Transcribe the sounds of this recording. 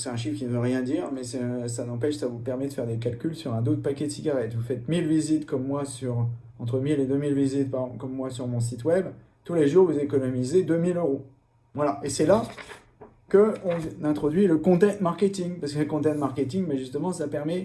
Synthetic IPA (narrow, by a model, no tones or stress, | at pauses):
sɛt̪ɛ̃ʃifkʲinəvøʁjɛ̃d̪iʁmɛsɛsanɑ̃pɛʃsavupɛʁmɛd̪əfɛʁd̪ek̬alkʲylsyʁɛ̃d̪ot̪pakʲɛd̪əsiɡʲaʁɛt̪vufɛt̪milvizit̪kɔmːwasyʁ | ɑ̃t̪χəmiled̪ømilvizit̪pakɔmːwasyʁmɔ̃s̬it̪wɛb | t̪uleʒuʁvuzekɔnɔmized̪ømiløʁo | vwalaʔesɛla | kəɔ̃nɛ̃t̪χɔd̪ɥiləkɔ̃t̪ɛ̃t̪maʁkʲet̪iŋpasəkələkɔ̃t̪ɛ̃t̪maʁkʲet̪iŋbaʒyst̪əmɑ̃sapɛʁmɛ